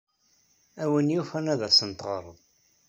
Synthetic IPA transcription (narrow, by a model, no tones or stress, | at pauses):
æwənjufænæðæsənt̪ʁəɾˤəðˤ